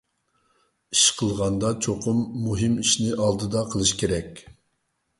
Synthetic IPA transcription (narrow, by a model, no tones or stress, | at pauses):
iʃqʰəlˠʁɑnd̪ɑt͡ʃʰoqʰʊmːuɦɨmiʃnɪʔɑlˠd̪ɨd̪ɑqʰəlˠɨʃkʲʰeɾɛkʲ